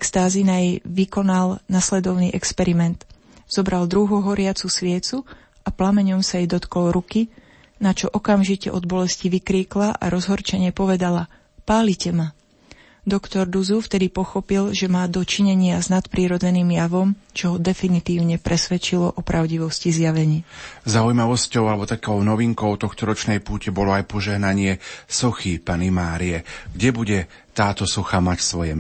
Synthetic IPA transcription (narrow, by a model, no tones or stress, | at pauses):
ɛkst̪aːzinajɛjʋikɔnalnaslɛd̪ɔʊnḭːʔɛkspɛɾimɛnt̪ | z̥ɔbɾald̪ɾuɦuɦɔɾɪat͡susʋɪɛt͡su | aplamɛɲɔmsajɛd̪ɔt̪kɔlɾuki | nat͡ʃɔʔɔkamʒicɛ̰ʔɔd̪̚bɔlɛsciʋikɾiːklaʔa̰ɾɔzɦɔɾt͡ʃɛɲɪɛpɔʋɛd̪ala | paːlicɛma | d̪ɔkt̪ɔɾd̪uzuft̪ɛd̪ipɔxɔpilʒɛmaːd̪ɔt͡ʃiɲɛɲɪaznat̪pɾiːɾɔd͡zɛniːmjaʋɔmt͡ʃɔɦɔd̪ɛfinit̪iːʊɲɛpɾʔɛsʋɛt͡ʃilɔʔɔpɾaʊɟiʋɔscizjaʋɛɲiːzaujmaʋɔscɔʊalɛbɔt̪akɔʊnɔʋiŋkɔʊt̪ɔxt̪ɔɾɔt͡ʃnɛjpuːcɛbɔlɔajpɔʒɛɦnaɲɪɛsɔxipanimaːɾiɛɡɟɛbuɟɛ | t̪aːt̪ɔsɔxamacsʋɔjɛ